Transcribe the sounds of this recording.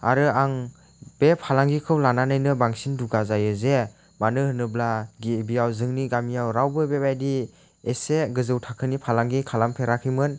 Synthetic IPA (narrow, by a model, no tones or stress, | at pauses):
aɾɯaŋ | b̥epʰalaŋɡikʰɯwlananajnɯbaŋsinduɡazajɯze | manɯhɯnɯblaɡibijawzɯŋniɡamijawɾawbɯbebajdi | eseɡɯzɯwtʰakʰɯnipʰalaŋɡikʰalampʰeɾakʰɯjmɯn